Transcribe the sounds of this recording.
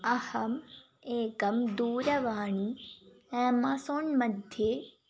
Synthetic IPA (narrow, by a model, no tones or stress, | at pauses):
ɐhɐm | eːkɐmd̪uːɾɐʋaːɳ̃i | ɛ̃ːmɐsonmɐd̪ʱje